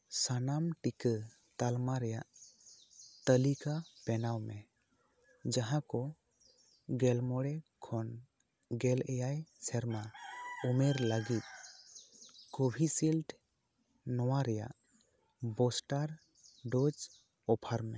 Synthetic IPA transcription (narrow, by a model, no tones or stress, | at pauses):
sanamʈikə | t̪almaɾɛjaʔ | t̪əlikapɛnawmɛ | d͡ʒaɦãkɔ | ɡɛlmɔɽɛkʰɔn | ɡɛlɛjajsɛɾmaumɛɾləɡit̪̚ | kobʱisilʈ | nɔwaɾɛja̰ʔ | bɔsʈaɾ | ɖɔd͡ʒ | ɔpʰaɾmɛ